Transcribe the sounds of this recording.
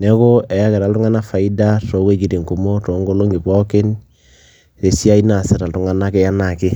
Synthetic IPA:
nɛ˦ko˦ɛ˨ja˦kɛ˨ɾa˨ltu˦ŋa˦na˦fa˨i˦da˦to˨˦we˦˨ki˨ɾi˨ŋko˨mo˦to˨˦ŋɡo˦lo˦ŋɡi˨pɔ˦ke˦n | se˨si˦a˦i˦na˨sɛ˨ɾa˨ltu˨ŋa˦na˦kɛ˦ja˦na˨kɪ˦

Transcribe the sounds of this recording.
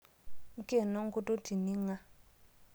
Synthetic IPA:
ŋ̩˦kʼe˦˨nɔ˦ŋ˦ku˦tʼo˦tʰi˨ni˦ŋa˦

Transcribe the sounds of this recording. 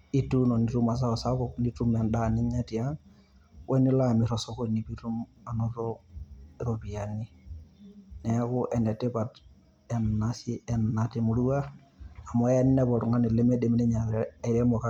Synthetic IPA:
i˦tu˦nɔ˨ni˨tu˦ma˨s̬a˦ɔ˨sa˦kɔ˨kni˦tu˦mɛ˨nda˨nɪ˦ɲa˦ti˨a˦ŋ | wʔɛ˦ni˦la˦˨mi˨ɾɔ˨sɔ˦ko˦ni˨pi˦tu˦ma˨nɔ˨tɔ˦ɾo˨pi˨a˨ni˦ | nɛ˨˦kʊ˦ʔɛ˨nɛ˨tɛ˦pa˨t | ɛ˨nːa˦si˦ɛnːa˨te˨mu˨ɾu˦a˦ | a˨mɔ˨ɛ˦n˦nɛ˦bɔ˨ɾu˨ŋa˦ni˨lɛ˦mɛ˦de˨mi˦nɛ˦ɲa˨ɾa˨i˨ɾɛ˦mɔ˨ka˦

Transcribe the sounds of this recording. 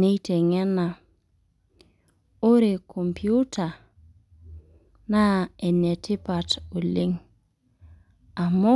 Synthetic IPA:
ne˦jte˨ŋɛ˦na˨ | o˦ɾe˨kʰo˨mpʰju˦ta˨ | na˦e˨ne˨tʰi˦pa˨to˨li˦ŋ | a˨mɔ˦

